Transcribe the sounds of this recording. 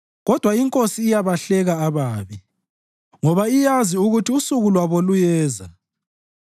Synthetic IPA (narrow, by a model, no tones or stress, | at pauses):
ɣɔd̥ʱwaiŋkʼosiːjaβaɬɛɣaːβaːβi | ŋɔβaijaziuɣutʰiusuɣulwaβolujɛːza